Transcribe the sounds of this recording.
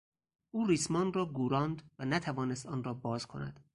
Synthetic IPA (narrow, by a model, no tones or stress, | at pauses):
ʔuːriːsmɒːnrɒːɡuːɾɒːnd̪vænæt̪ʰævɒːnest̪ɒːnrɒːbɒːz̥kʰo̞̰næ̰d̪̥